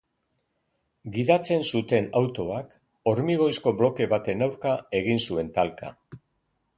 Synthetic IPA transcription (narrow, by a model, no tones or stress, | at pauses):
ɡiðat͡se̞nsut̪e̞nawt̪o̞ak | o̞ɾmiɣ̞o̞jsko̞blo̞ke̞βat̪e̞nawɾkae̞ɣinsue̞nt̪alka̰